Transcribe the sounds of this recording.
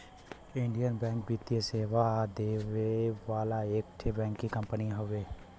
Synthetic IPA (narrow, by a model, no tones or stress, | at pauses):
ɪɳɖijənbɛ̃ːŋk̚bit̪ijeseːʋad̪eːʋeʋaːlaeːk̚ʈʰebɛ̃ːŋkːikə̃mpəniɦoʋeː